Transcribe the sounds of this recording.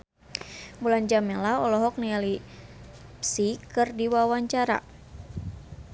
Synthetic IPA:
buland͡ʒamɛlaɔlɔɦɔk̚niali | psikɨrdiwawaɲt͡ʃaɾa̰

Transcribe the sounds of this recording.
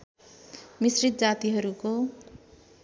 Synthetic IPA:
misrit̪̚d͡zat̪iɦʌɾuko

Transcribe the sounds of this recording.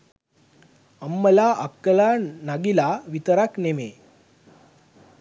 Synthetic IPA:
əmːəlaʔəkːəlanaɡilaʋit̪əɾakneme

